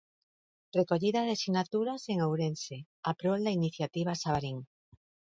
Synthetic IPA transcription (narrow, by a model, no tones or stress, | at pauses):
rekoʎiðaðesinat̪uɾaseŋawɾense | apɾold̪ainiθjat̪iβ̞asaβaɾiŋ